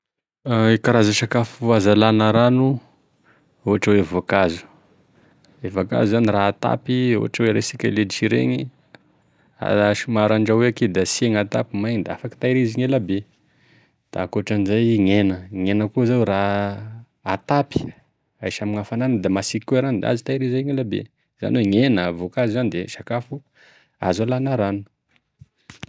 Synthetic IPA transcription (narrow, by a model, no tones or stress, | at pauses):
aikaɾazaʃakafuazalanəɾanu | oɦaʈ͡ʂawevakazu̥ | evaka̰zuzaniraat̪a̰pio̰a̰ʈ͡ʂaweɾesikʲa̰led̪iʃiɾḛɲi | a̰ʃimaɾaɳɖ͡ʐaweaked̪asieŋat̪apimajɲid̪afaki̥t̪aiɾiziŋelabe | d̪̥a̰koʈ͡ʂanizajŋenəŋenəkuzawra | at̪api̥ | ajʃamiŋafananəd̪amasikueɾanid̪̰a̰zit̪ajɾizajŋelabḛ | z̥a̰nweŋenəvokazizanid̪eʃakafu | a̰zalanaɾanu̥